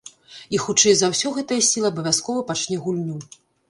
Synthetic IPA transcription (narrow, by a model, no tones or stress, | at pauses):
ixut͡ʂɛjzawsʲɔɣɛt̪ɐjɐsʲilˠɐːbɐvʲjaskɔvɐpat͡ʂnʲɛɣulʲnʲu